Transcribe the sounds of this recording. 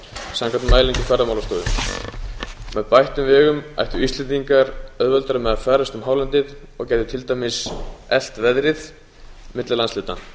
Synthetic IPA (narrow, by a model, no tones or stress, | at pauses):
saŋkʰant̪maːjliŋt̪ʏfɛɾðamawlast̪oːðʏm | mɛðpajht̪ʏmvɛːɣʏma̰jht̪ʏist̪ɛnt̪iŋkaɾœðvœlt̪aɾʏmɛðafɛːɾast̪ʏmɦaːwlant̪ɪð | ɔɣcajðʏt̪ʰɪlt̪ajmɪsɛl̥t̪vɛðɾɪð | mɪt̪lɪlanslɪːt̪a̰n